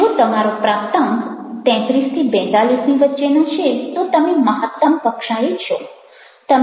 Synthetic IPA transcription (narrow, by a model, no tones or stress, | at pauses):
ot̪əmaɾopɾapt̪ə̃ŋt̪ɛ̃t̪ɾist̪ʰibɛ̃t̪alisniʋətːʃenat͡ʃʰet̪ot̪əmeməɦət̪ːəmkəkʂãɾit͡ʃʰo | t̪əm